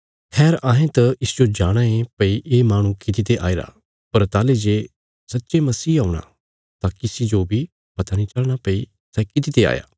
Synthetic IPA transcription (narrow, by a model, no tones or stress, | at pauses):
hʰɛːɾʔãːɦẽt̪ɐɪsd͡ʒod͡ʒaːɽ̃ãẽpɐiʔeːmaːɽ̃ũkɪt̪̬it̪eʔa̰ːiɾa̰ː | pɐɾt̪aːled͡ʒeː | sɐtːʃemɐsiːauɽ̃ã̰ | t̪akɪsid͡ʒobʱi | pɐt̪anĩt͡ʃɐlɽ̃apɐi | sɛkɪt̪it̪ea̰ːja̰ː